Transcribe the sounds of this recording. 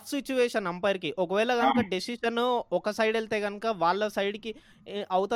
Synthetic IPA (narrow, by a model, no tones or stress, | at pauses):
sit͡ʃuʋeːʂɐnɐmpɐɾikiʔɔkɐʋɛːlɐɡɐnukɐɖisiʂɐnɔkɐsɐjɖelt̪eːɡɐnɐkɐʋaːɭːɐsɐjɖiki | ʔɐwut̪ɐ